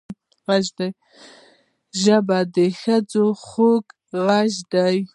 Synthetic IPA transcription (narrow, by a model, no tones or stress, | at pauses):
ɣaʒd̪aj | ʒabad̪exad͡zoxok | ɣaʒd̪aj